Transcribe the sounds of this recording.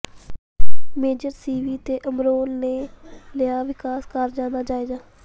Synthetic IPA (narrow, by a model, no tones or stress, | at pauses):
meːd͡ʒəɾsiːʋiːt̪eːʔəmɾoːlneːləjaːʋɪkaːskəɾd͡ʒãːd̪aːd͡ʒaːeːd͡ʒaː